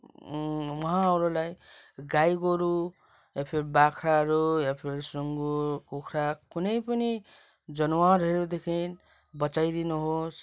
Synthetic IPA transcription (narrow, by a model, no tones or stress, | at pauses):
wʌɦãʌɾulajɡajɡoɾu | japʰeɾbakʰɾaɾujapʰeɾsruŋɡukokʰɾakunʌjpʌni | d͡zʌnuwaɾɦʌɾud̪ekʰin | bʌt͡sajd̪inuɦos